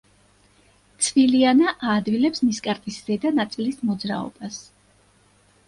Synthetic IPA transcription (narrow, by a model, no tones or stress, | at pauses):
t̪sʰvilianaʔaːd̪vilɛpsniskʼaɾt̪ʼisz̥ɛd̪anat̪sʼilismɔd̪zɾa̰ɔ̰bas